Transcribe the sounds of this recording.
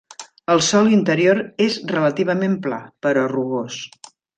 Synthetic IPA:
əlˠsɔlint̪əɾioɾezrələt̪iβ̞əmempla̰pəɾɔruɣos

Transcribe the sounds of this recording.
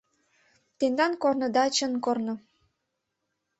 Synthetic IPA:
t̪end̪ɑnkornɤ̆d̪ɑt͡ɕənkornɤ̆

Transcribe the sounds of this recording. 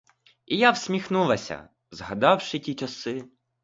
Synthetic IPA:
ijawsʲmʲixnulˠɐsʲɐ̰ | zɦɐd̪ɑwʃɪtʲit͡ʃɐsɪ

